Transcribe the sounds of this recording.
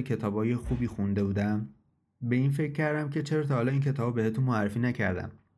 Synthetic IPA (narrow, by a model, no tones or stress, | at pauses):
cʰe̞t̪ʰɒːbhɒːje̞xuːbiːxund̪e̞buːd̪æm | be̞iːnfec̚ʰʲcːæɾd̪æmcʰe̞t͡ʃʰe̞ɾɒːt̪ʰɒːhɒːlɒːiːncʰe̞t̪ʰɒːbbe̞het̪unmoærːefiːnæcʰæ̰ɾd̪æ̰m